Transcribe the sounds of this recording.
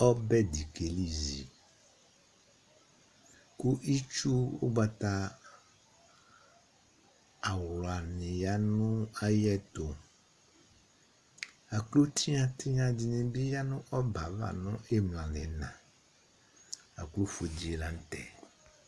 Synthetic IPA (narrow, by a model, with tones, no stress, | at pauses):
ɔ˦bɛ˦di˨ke˨li˦zi˨ | ku˦ʔi˦t͡ʃu˦wo̰˦ba˦t̪a˦ | a˨wlɔ˨a˨nẽ˨ja˦nũ˦a˦jɛ˦t̪o˨ | a˨klo˦t̪ʰi˦ɲã˨t̪i˦ɲã˨d͡ʑi˨nẽ˨bi˦ja˦nũ˦ʔɔ˦ba˨va̰˨nɔ̃˦e˦ml̃ã˨lɛ̰˨nã̰˨ | a̰˨klo˦fo˨d͡ʑi˦e˨lã˨˦n˦t̪ɛ̰˨